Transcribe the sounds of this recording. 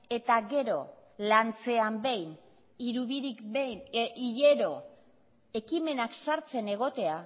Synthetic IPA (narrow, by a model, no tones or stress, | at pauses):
e̞t̪aɣe̞ɾo̞ | lant͡se̞ambe̞jn | iɾuβiɾikejniʎeɾo̞ | e̞kime̞naksaɾt͡se̞ne̞ɣ̞o̞t̪e̞a